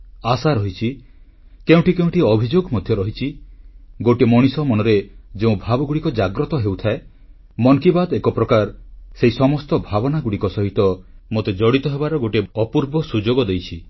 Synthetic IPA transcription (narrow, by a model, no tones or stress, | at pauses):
asaɾɔɦit͡ʃʰi | keũʈikeũʈiɔbʱid͡ʒoɡɔmɔd̪ʱjɔɾɔɦit͡ʃʰi | ɡoʈemɔɽ̃isɔmɔnɔɾed͡ʒeũbʱabɔɡuɽikɔd͡ʒaɡɾɔt̪ɔɦewt̪ʰae | mɔŋkibad̪ekɔpɾɔkaɾseɦisɔmɔst̪ɔbʱabɔnaɡuɽikɔsɔɦit̪ɔmot̪ed͡ʒɔɽit̪ɔɦebaɾɔɡoʈeɔpuɾbɔsud͡ʒoɡɔd̪ejt͡ʃʰi